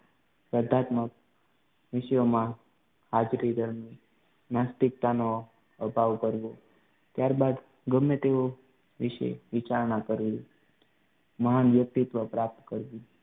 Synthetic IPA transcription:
pəd̪ʱat̪mək̚ | ʋɪʃjomã | had͡ʒɾid̪ʱəɾmi | mast̪ik̚t̪ano | əbʱaʋkəɾʋo | t̪jaɾbad̪ | ɡəmːet̪eo | ʋɪʃḛʋɪt͡ʃaɾɳakəɾʋi | məɦanʋjək̚t̪it̪ʋəpɾap̚t̪kəɾʋĩ

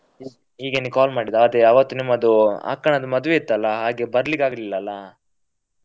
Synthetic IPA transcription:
iː | ɦiːɡenikaːlmaːɽid̪aːd̪eɐʋɐt̪ːunimːɐd̪ua̰kːɐɳɐd̪ɐmɐd̪uʋeit̪ːɐlːɐɦaːɡebɐɾɐlikaːɡɐlilːɐːlːɐ

